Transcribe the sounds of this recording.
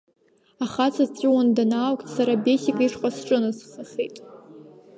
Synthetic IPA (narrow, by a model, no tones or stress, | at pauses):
aχat͡sʰat͡sʼɪwandanaːwkʷʼtʰʼsaɾabesʲikʼiʂqʷʼasʈ͡ʂʼɨnɨsχaχejtʼ